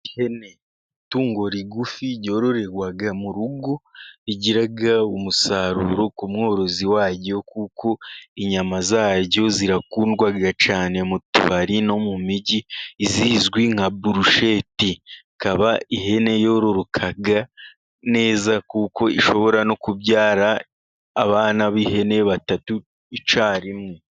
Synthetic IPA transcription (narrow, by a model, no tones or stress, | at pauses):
ihene̞ | tuːŋɡo̞ɾiɡufiɟo̞ɾoɾe̞ɡwaɡamuɾuɡo̞iɟiɾaɡaumusaɾuɾo̞kumŋo̞ːɾo̞ziwaːɟo̞kuːkʰo̞iɲamazaːɟɟo̞ziɾakuːndɡwaɡat͡ʃaːne̞mutṵβaɾino̞mumiɟiːziːzɡwiŋ̥abuɾuʃe̞ti | kaβaiɦe̞ne̞jo̞ɾoɾukʰaɡa | ne̞ːzakuːko̞ḭʃo̞βo̞ɾano̞kubɟaːɾaː | βaːnaβiɦe̞ne̞βatatu | it͡ʃaːɾimŋe